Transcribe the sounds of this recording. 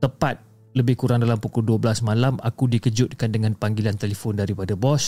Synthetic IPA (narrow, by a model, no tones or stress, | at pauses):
t̪əpat̪̚ | ləbɪhkuɾaŋdalampukʊlduabəlasmãlamakudikəd͡ʒʊt̪̚kandəŋanpaŋɡilant̪elefɔndaɾipadabɔs